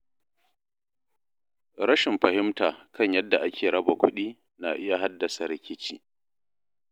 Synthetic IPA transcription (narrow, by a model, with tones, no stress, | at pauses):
ɾɐ˦ʃɪ˨mɸɐ˨hɪ˦mtaː˨kʰɐ˦ɲjɐ˦dːa˨ʔa˦kʲeː˨ɽɐ˦ba˨kʷʰʊ˦ɗiː˦ | na˨ʔɪ˦ja˨ɦa˦dːɐ˨sa˨ɾɪ˦kʲɪ˦t͡ʃiː˦˨